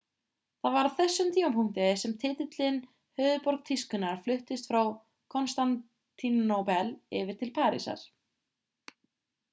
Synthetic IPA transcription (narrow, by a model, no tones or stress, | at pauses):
θaðvaɾaðθɛsːʏmt̪ʰiːampʰuŋ̥t̪ɪsɛmt̪ʰɪt̪ɪt̪lɪn | hœːðʏpɔɾk̚t̪ʰiskʏnaɾ̥flʏht̪ɪst̪fɾaw | kʰɔnst̪an | t̪ʰːinnowpɛlɪvɪɾ̥t̪ʰɪlpʰaːɾḭsa̰ɾ̥